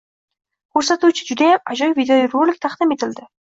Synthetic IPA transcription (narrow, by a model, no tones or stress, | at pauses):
kʰoɾsɑt̪ut͡ʃʰud͡ʒyd̪eɑd͡ʒɔjvʲid̪ʲeoɪrolʲɪk̚t̪ʰɑqd̪ɨmet̪ɪld̪ɪ